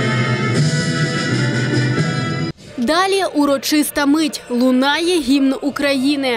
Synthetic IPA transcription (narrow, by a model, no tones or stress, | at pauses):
d̪ɑlʲiʔuɾɔt͡ʃɪst̪ɐmɪtʲlˠʊnɑjɛɦʲimnukɾɐjinɪ